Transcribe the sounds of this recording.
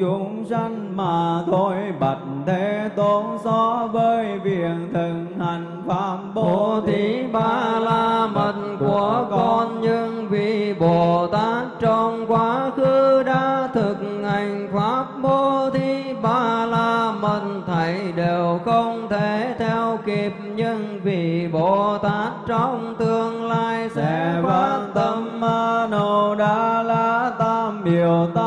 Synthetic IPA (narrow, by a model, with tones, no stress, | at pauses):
t͡ɕʊ˧˦ŋza˧ŋ̟maː˨˩t̪o˧jɓa˨˩t̚nt̪ʰe˨˦t̪o˨˦nsɔ˧˦vəː˧˩jvi˧˨˩ənt̪ʰɨ˨˩k̚ŋha˨˩jŋ̟faː˦˥p̚ɓo˧˨˧t̪ʰi˨˦ɓaː˧laː˧mə˧˩nku˧˩əəkɔ˧nɲɨ˧ŋvi˨˩ɓo˨˩t̪aː˦˥k̚t͡ɕɔ˧ŋ͡mkwaː˨˦kɨ˧ɗaː˧˦t̪ʰɨ˨˩k̚ŋha˨˩jŋ̟faː˦˥p̚ɓo˧t̪ʰi˧ɓaː˧˩laː˧˩mə˨˩nt̪ʰə˨˦jɗe˨˩wxə˧wŋ͡mt̪ʰe˧˦t̪ʰɛ˧wki˨˩p̚ɲɨ˧ŋ | vi˨˩ɓo˧˨˩t̪aː˦˥t̚t͡ɕɔ˧wŋ͡mt̪ɨ˧əŋlaː˧jsɛ̰˧˥faː˧˦˧nt̪ə˧˦mːaː˧nə˧˨˩ɗaː˧˥laː˧˩t̪aː˧mɓi˨˩əwwt̪a˦